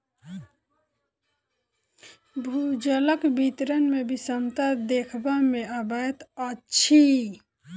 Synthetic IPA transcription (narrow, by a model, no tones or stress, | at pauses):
bʱud͡ʒələkbit̪ɾənmebisəmt̪ad̪ekʰbameəbəjt̪ətːt͡ʃʰi